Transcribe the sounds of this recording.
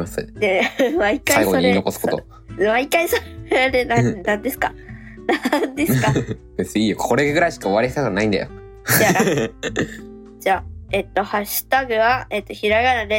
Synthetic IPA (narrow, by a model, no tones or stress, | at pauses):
asɨ̰neβaikːaaiɡooɲieino̞kosɨ̥kot̪o̰ | maikːaisod̪enanãnd̪e̞sɨ̥ka | nand̪e̞sɨkabe̞t͡sɨɲiːjokʰo̞ɾe̞ɡɯ̟ɾaiɕi̥kao̞βaɾiçsannaĩnd̪a̰jo | jaa | d͡ʑaːet̪o̞haɕi̥t̪aɡɯ̟βaet̪ːo̞çiɾaɡaɾad̪e